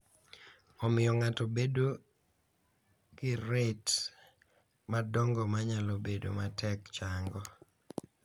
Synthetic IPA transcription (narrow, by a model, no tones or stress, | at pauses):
ɔmɪjɔŋatobedo | kɪɾet | madɔŋɡɔmaɲalobedo̰matʰɛkt͡ʃaŋɡɔ